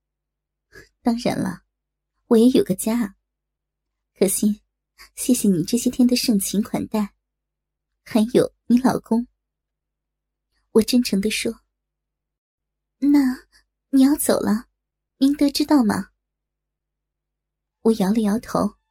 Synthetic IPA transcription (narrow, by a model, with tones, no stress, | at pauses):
t̪ɑ˥ŋɻə̰˧˥nlə̰˧ | wɔ˨˩jɛ˧˥jo˨˩ɡə˦t͡ɕja˥ | kʰɤ˨˩ɕi˥˩ | ɕjɛ˥˩ɕjɛ˧˩ni˨˩ʈ͡ʂɤ˥˩ɕjɛ˥t̪ʰjɛ˥nd̪ə˨ʂɤ˥˩ŋt͡ɕʰi˧˥ŋkʰwa̰˨˩nt̪a˥˩ɪ | xə˧˥njo˨˧˩ʊni˧˥lɑ˨˩ʊkʊ˥ŋ | wɔ˨˩ʈ͡ʂə˥nʈ͡ʂʰɤ˧˥ŋd̪ə˧ʂwɔ˥ | na˥˩ | ni˨˩jɑ˥˩ʊt͡so˨˩ʊlʔə˦ | mi˧˥ŋt̪ɤ˧˥ʈ͡ʂɻ̩˥t̪ɑ˥˩ʊmɐ̰˨˩ | wɔ˨˧˩jɑ˧˥ʊlə˧jɑ˧˥ʊt̪ʰo˧˥ʊ